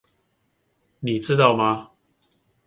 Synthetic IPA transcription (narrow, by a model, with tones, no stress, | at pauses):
ni˨˩t͡sɹ̩˥˧t̪ɑ˥˧ʊma˧